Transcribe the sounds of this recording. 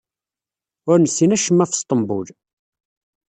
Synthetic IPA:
ʊɾnəsinæʃəmːæfst̪ˤəmbṵl

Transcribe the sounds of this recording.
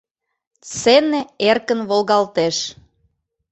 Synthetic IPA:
t͡seneerkənβolɣɑlt̪eʃ

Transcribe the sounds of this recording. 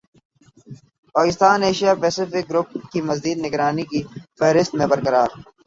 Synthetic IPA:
paːkɪst̪aːneːʃijapeːsɪfɪk̚ɡɾʊp̚kimɐziːd̪nɪɡɾaːnikifɛɦɾɪst̪mẽbɐɾkɐɾaːɾ

